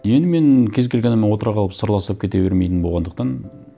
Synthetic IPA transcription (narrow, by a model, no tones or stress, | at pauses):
je̞nd̪ɪme̞nkʲʰe̞zkʲe̞lɡʲenɪmenwo̞t̪əɾɑqʰɑlˠəpsəɾlˠɑsəpkʰʲe̞t̪e̞be̞ɾme̞jt̪ɪnbo̞lˠʁɑnd̪əqt̪ɑn